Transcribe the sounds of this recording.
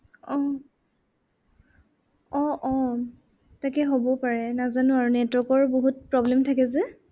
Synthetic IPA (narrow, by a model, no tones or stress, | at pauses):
ɔ | ɔ̃ʔɔ̃ | takɛɦobɔpaɹɛnazanʊaɹunɛtwɔkɔɹboɦut̚pɹɔblɛmtʰakɛzɛ